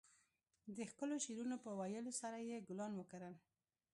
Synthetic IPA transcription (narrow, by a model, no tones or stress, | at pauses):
d̪əxkəloʃeɾunopəwajəlosaɾajeɡʊlɑnwəkaɾəl